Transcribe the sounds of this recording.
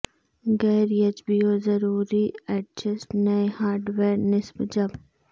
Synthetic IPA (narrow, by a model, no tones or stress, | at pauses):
ɡɛːɾjɐd͡ʒbioːzɐɾuːɾiɛʈ̚d͡ʒɐsʈnɐehaːɾɖʋeːɾnɪsbd͡ʒɐb